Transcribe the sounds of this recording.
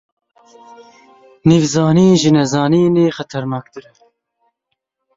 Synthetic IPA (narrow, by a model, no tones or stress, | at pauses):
niːvzɑːniːʒɨnɛzɑːniːneːxɛt̪ʰɛɾnɑːk̚d̪ɨɾ